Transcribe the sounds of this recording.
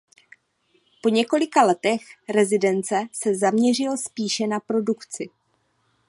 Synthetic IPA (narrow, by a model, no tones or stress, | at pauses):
po̞ɲɛko̞lɪkalɛt̪ɛxɾɛzɪdɛnt͡sɛsɛzamɲɛr̝ɪlspiːʃɛnapɾo̞dukt͡sɪ